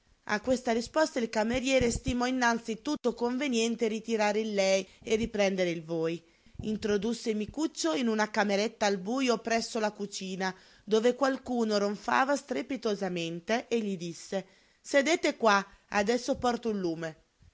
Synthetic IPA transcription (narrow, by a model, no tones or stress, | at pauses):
a̰kːwest̪arispɔst̪ailkameɾjɛːɾest̪imɔinːant̪sit̪ut̪ːokoɱvenjɛnt̪eɾit̪iɾaːɾeilːɛjeripɾɛnd̪eɾeilvoːj | int̪ɾod̪usːemikut͡ʃːoinunakameɾet̪ːaːlbuːjopɾɛsːolakut͡ʃiːna | d̪oːvekwalkuːnoɾoɱfa̰ːvast̪ɾepit̪ozament̪eʔeʎːid̪isːe | sed̪eːt̪ekwaa̰d̪ɛsːopɔrt̪oilːuːme